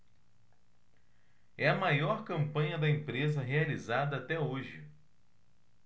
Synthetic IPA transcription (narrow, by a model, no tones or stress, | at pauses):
ɛɐmajɔɾkɐ̃mpɐ̃ɲɐd̪ɐẽmpɾezɐɦealizad̪ɐat̪ɛoʒɪ